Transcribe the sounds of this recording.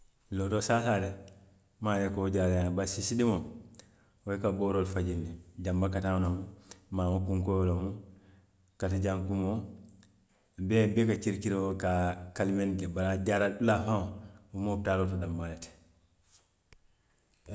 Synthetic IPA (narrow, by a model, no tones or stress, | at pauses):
loːtosasaɾe | majekoɟaːɾãbasisidimo | oekaboːɾoːlfaɟinːiɟambakatanomumaːmokuŋkojolomu | katiɟaŋkumo | bebekat͡ʃiɾkiɾeokakalimendebaɾaɟaːɾadulafaŋumotaɾotodambalet